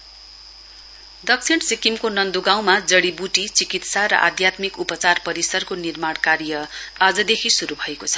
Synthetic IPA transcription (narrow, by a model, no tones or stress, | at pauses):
d̪ʌk̚t͡sʰiɳʈsikimkonʌnd̪oɡaw̃mad͡zʌɽibuʈit͡sikit̪saɾʌ̰ʔa̰d̪jat̪mikupʌt͡sarpʌɾisʌrkonirmaɽkarjʌad͡zʌd̪ekʰisuɾubʱʌekot͡sʰʌ̥